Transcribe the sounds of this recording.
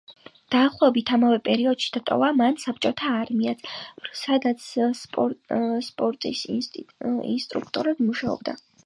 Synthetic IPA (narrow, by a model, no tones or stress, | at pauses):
d̪̥aːχlˠɔɛbit̪ʰamavɛpʼɛɾiɔd̪̥ʃi̥d̪̥at̪ʼɔ̰vamansap̚ʰt͡ʃʼɔt̪ʰaːɾmiat̪sʰsad̪at̪sʰpʼspʼɔɾt̪ʼis | ḭnst̪ʼɾṵkʰt̪ʼɔɾɛbmuʃaɔ̰b̚d̪a̰